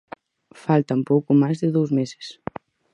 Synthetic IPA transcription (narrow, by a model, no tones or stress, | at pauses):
falˠt̪ampɔkumazðeðuwzmeze̥s